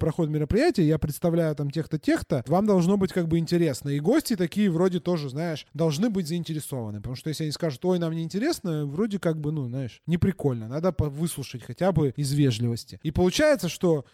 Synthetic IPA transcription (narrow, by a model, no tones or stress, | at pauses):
pɾɐxoɪt̪mʲɪɾəpɾʲɪjætʲɪjəjapɾʲɪt̪st̪ɐvlʲæjʊt̪amtʲe̞xt̪ətʲe̞xt̪əvamd̪ɐlˠʐno̞bɨtʲkaɡ̚bɨɪnʲtʲɪɾʲe̞snəiɡo̞sʲtʲɪt̪ɐkʲijəvɾo̞dʲɪt̪o̞ʐɨznajɪʂd̪ɐlˠʐnɨbɨtʲzəɪnʲtʲɪɾʲɪso̞və̰nɨpət̪ɐmuʂt̪ojesʲlʲɐnʲiskaʐʊt̪o̞jnamnʲɪːnʲtʲɪɾʲe̞snəvɾo̞dʲɪkaɡ̚bɨnuznaɪʂnʲɪpɾʲɪko̞lʲnənad̪əpɐvɨslˠʊʂɨtʲxɐtʲabɨɪzvʲeʐlʲɪvəsʲtʲɪipəlˠʊt͡ɕæjɪt̪səʂt̪o̞